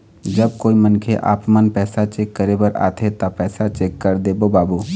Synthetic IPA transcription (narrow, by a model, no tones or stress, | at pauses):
d͡ʒəb̚koːimənkʰeʔa̰ːpmənpɛːsat͡ʃeːkːəɾebəɾa̰ːt̪ʰet̪ɐpɛːsat͡ʃeːkːəɾd̪eːbobaːbuː